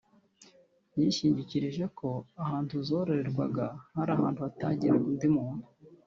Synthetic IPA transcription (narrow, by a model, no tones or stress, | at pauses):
jiːʃiːɲɟiciɾiʒe̞kʰo̞ahaːntuzo̞ɾeɾeɾɡwa̰ɡahaɾaːhaːntuataɲɟiɾeundimuːnu